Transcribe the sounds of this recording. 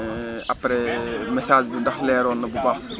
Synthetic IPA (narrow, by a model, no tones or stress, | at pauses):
ɐpɾɛmɛsaːd͡ʒbundɐxlɛːɾɔːnːɐbubaxs